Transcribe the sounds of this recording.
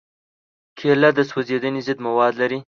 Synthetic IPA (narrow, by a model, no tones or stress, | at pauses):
kʰelad̪əswəzed̪ənezəd̪mawɑːd̪laɾi